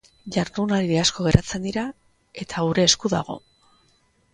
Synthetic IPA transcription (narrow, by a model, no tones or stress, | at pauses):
ʝaɾðunaɾiðeasko̞ɣe̞ɾʔat͡se̞nd̪iɾa | e̞t̪ʰauɾe̞ːskuða̰ɣ̞o̞̰